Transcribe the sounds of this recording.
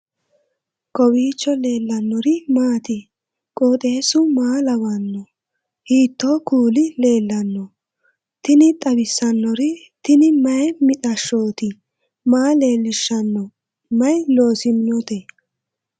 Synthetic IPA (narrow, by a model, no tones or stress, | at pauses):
kɔwiːt͡ʃːɔle̞ːlːɐnːɔɾɪmaːt̪ɪ | kʼoːt̪ʼe̞ːsʊmaːlɐwɐnːɔ | hiːt̪ːoːkuːlɪle̞ːlːɐnːɔ | t̪ɪnɪt̪ʼɐbɪsːɐnːɔɾɪ | t̪ɪnɪmɐjmɪt̪ʼɐʃːoːt̪ɪ | maːle̞ːlːɪʃːɐnːɔ | mɐjno̞ːsɪmɪnɔt̪ɛ